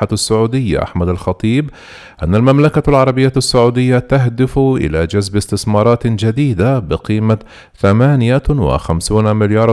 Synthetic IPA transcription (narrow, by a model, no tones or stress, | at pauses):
aasːʊʕuːd̪ɪjːa̰ʔa̰ħmad̪alxɑt̪ˤiːb | ʔa̰nːalmamlakalʕɑɾˤɑbɪjːasːʊʕuːd̪ɪjːat̪aɦd̪ɪfʔɪ̰lad͡ʒazbɪst̪ɪsmɑːɾˤɑːt̪d͡ʒad̪iːd̪abɪqiːma | θamaːnɪjawɪ̰xamsuːnmɪljɑːɾˤ